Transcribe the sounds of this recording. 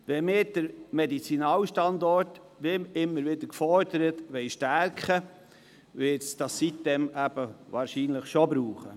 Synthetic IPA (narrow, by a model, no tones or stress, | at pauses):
ʋɛmɪːɾd̥əɾmedit͡sinɑːlʃtɑndɔɾt | ʋɪmɪmːəɾʋɪdəɾkfɔɾdəɾətʋɛɪʃtæɾkχə | ʋɪtsd̥ɑssit̚dɛmæb̥əvɑːɾʃiːnləχʃobɾuːχə